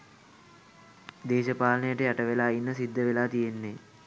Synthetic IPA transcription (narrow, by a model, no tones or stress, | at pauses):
d̪eːʃəpaːlənəjəʈəjaʈəʋelaːinːəsid̪ʱːəʋelaːt̪ijenːe